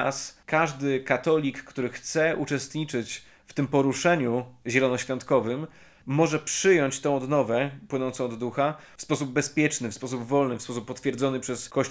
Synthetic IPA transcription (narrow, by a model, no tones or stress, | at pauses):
a̰skaʐd̪ɘkat̪ɔlʲikːt̪uɾɘxt̪sɛʔut͡ʂɛst̪ɲit͡ʂɘt͡ɕ | ft̪ɘmpɔɾuʂɛɲuʑɛlɔnɔɕfʲjɔnt̪kɔvɘmː | ɔʐɛpʂɘjɔɲt͡ɕt̪ɔ̃w̃ɔd̪nɔvɛpwɘnɔnt̪sɔ̃w̃ɔd̪ːuxafspɔsub̚bɛspʲjɛt͡ʂnɘfspɔs̬ubvɔlnɘfspɔsupːɔt̪fʲjɛɾd̪zɔnɘpʂɛskɔɕ